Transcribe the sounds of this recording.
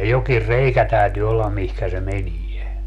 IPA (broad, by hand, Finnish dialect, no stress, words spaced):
jokir reikæ tæˑytyː olːɑm mihkæ se menie